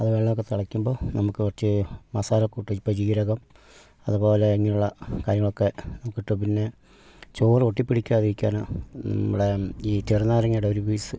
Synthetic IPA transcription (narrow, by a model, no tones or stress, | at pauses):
ɐðɨʋeɭːɐmokːet̪ɐɭɐkːumbo̞ːnɐmukːɨʋɐrt͡ɕːɨmɐsaːlɐkːuʈːɐpːɐt͡ɕiːɾɐɣɐm | ɐðubo̞ːleːŋːɐnuɭːɐkaːɾjɐŋːɐɭo̞kːe̞nɐmukːiʈːɨp̬inːe̞ | t͡ɕoːroʈːipːiɽikʲːaːðiɾikʲːaːnnɐ̰mːuɽe̞iːt͡ɕerinːaːɾɐŋːɐɽeoɾubiːsɨ